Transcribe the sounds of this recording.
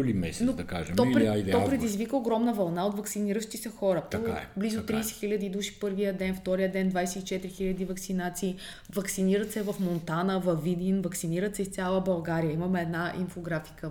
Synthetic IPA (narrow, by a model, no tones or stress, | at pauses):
limɛ̰snod̪ɐka̰ʒɛmɔɾɛaid̪t̪ɔpɾɛd̪izvikəoɡɾɔmnəvɐlˠnaot̪vɐksiniɾəʃt̪isɐxɔɾət̪ɔa̰blizʊt̪ɾiːsɛ̥xilʲəd̪id̪uʃi̥pɤɾvijəd̪ɛnft̪ɔɾijəd̪ɛnd̪vajsɛit͡ʃɛt̪ɾixilʲɐd̪ivɐksinat̪siː | vɐksiniɾət̪sɛvɐfmont̪anəvɐvid̪ʲinvɐksiniɾət̪sɛist̪sʲalˠəbɐlˠɡaɾijəimɐmɛɛd̪naʔḭmfoɡɾafi̥kə